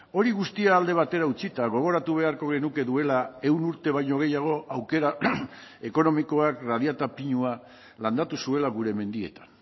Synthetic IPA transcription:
o̞ɾiɣust̪iaːld̪e̞β̞at̪e̞ɾaut͡sit̪aɣ̞o̞β̞o̞ɾat̪uβ̞e̞aɾko̞ɣ̞e̞nuke̞ðue̞lae̞wnuɾt̪e̞βajɲo̞ɣ̞e̞jaɣ̞o̞ʔawke̞ɾa | e̞ko̞no̞miko̞akrað̞iat̪apiɲua | land̪at̪usue̞laɣuɾe̞me̞nd̪ie̞t̪ḁn

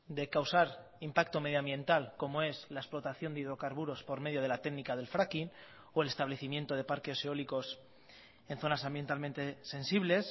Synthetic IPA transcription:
d̪e̞kawsaɾ | impak̚t̪o̞me̞ðjãmbjẽ̞nt̪alko̞moe̞slaesplo̞t̪aθjo̞nd̪iðɾo̞kaɾβuɾo̞spoɾme̞ð̞joð̞e̞lat̪e̞ɡnikaðe̞lfɾakin | oe̞le̞st̪aβle̞θimje̞nt̪o̞ð̞e̞paɾkeoseo̞liko̞s | e̞nθo̞nasãmbje̞nt̪almẽnt̪ese̞nsiβle̞s

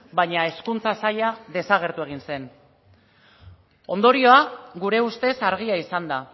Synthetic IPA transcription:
bajɲae̞skunt͡sasaʎaðe̞saɣ̞e̞ɾt̪ue̞ɣ̞inse̞n | o̞nd̪o̞ɾio̞aɣuɾe̞ust̪e̞saɾɣ̞iaisand̪a

